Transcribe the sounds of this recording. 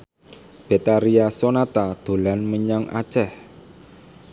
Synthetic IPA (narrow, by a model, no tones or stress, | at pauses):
b̥et̪aɾiasonat̪ad̪̥o̤lanməɲaŋʔa̰̥t͡ʃɛh